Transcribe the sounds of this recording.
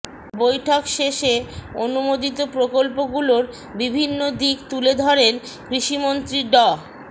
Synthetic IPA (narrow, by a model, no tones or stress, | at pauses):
bojʈʰokʃeʃeonumod̪it̪opɾokolpoɡuloɾ | bibʱinːod̪ikt̪uled̪ʱɔɾen | kɾiʃimont̪ɾiɖɔ